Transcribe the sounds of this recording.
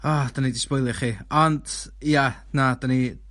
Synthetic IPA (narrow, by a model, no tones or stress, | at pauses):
ɔd̥anidɪspojlˠɨχiɔndja | nadəni